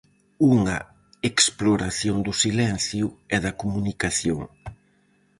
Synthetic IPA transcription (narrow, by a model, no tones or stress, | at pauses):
uŋɐ | eksploɾaθjoŋd̪ʊsilɛnθjʊɛðɐkumunikaθjoŋ